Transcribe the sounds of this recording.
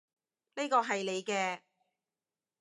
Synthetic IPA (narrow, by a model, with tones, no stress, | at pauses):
ne˥kɔː˧ɦɐ˨jle˨˧jkɛː˧